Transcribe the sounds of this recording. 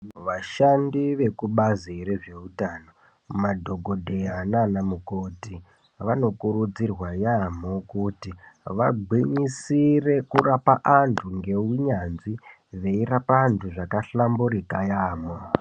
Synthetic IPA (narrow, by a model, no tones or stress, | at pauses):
ʋaʃandiʋe̞kuɓaziɾeʐeutaːno̞ | madʱo̞ɡʱo̞dʱeananamukoti | ʋano̞kurud͡zirwajamo̞kutiʋa̰ɡʱwiɲisire̞kurapaʔantʰuŋɡe̞uɲanzi | ʋe̞irapaːntʰuʐakaɬambuɾikajaːmwa